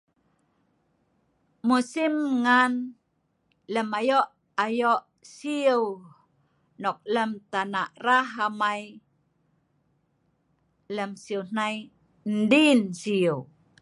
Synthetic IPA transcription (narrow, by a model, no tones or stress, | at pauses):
musimŋan | ləmajɔʔ | ajoʔ | siəw | nɔk̚ləmt̪anaʔraɦamaj | ləmsiəwn̥aj | n̩dinsiəw